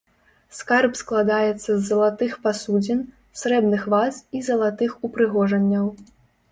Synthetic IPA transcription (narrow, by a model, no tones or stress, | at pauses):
skarpsklˠad̪ajɛt̪sːɐzːɐlˠat̪ɨxpasud͡zʲɛn | sɾɛbnɨxvasizɐlˠat̪ɨxupɾɨɣɔʐɐnʲːɐw